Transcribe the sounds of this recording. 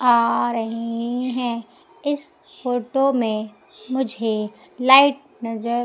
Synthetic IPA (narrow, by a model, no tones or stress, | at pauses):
aːɾɐɦiɦɛ̃ | ɪs | foːʈomẽ | mʊd͡ʒʱe | laːɪʈ̚nɐzəɾ